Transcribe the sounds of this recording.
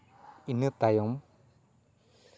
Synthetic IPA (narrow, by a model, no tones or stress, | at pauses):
inɯt̪ajɔm